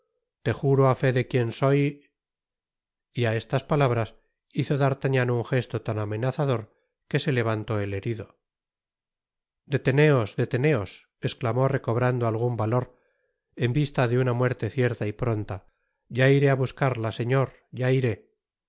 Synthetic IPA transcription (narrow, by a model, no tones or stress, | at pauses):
t̪e̞xuɾoafe̞ðe̞kje̞nso̞j | iae̞st̪aspalaβɾas | iθo̞ðaɾt̪aɲanouŋxe̞st̪o̞t̪aname̞naθaðo̞ɾ | ke̞se̞le̞β̞ant̪o̞e̞le̞ɾiðo̞ | d̪e̞t̪e̞ne̞o̞zd̪e̞t̪e̞ne̞o̞s | e̞sklamo̞re̞ko̞β̞ɾand̪oalɣ̞umbalo̞ɾ | e̞mbist̪aðe̞unamwe̞ɾt̪e̞θje̞ɾt̪aipɾo̞nt̪a | ʝaiɾe̞aβuskaɾlase̞ɲo̞ɾ | ɟ͡ʝaiɾe̞